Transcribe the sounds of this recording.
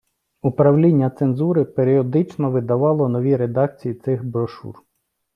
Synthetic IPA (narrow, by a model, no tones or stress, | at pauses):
upɾɐwlʲinʲːɐt̪senzuɾɪpeɾʲiɔd̪ɪt͡ʃnɔʋɪd̪ɐʋɑlˠɔnɔʋʲiɾed̪ɑk̚t͡sʲijit̪sɪxbɾɔʃṵr